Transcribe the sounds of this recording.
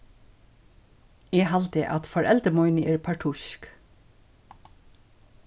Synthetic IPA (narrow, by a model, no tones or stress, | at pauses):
eːhɑlt̪eʔɑt̪fɔɾʔɛld̪əmɔʏnəʔeːɹpʰɑʈʰʊʃk